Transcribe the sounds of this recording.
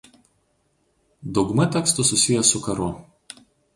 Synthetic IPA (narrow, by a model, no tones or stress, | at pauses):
d̪ɔʊɡmɐt̪ʲɛkst̪ʊsʊsʲɪjɛsʊkɐɾʊ